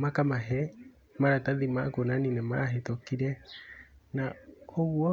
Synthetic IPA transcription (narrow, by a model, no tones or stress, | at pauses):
makamaɦe | maɾataðimakonaninamaːɦetokiɾe | nahouo